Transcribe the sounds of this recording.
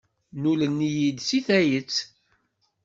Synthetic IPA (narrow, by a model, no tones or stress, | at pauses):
nulənːijid̪siθæjət͡sː